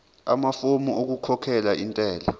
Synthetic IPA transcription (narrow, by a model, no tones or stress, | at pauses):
a̰mafomuʔok̬ukʰɔkʰɛlaʔintʼɛːla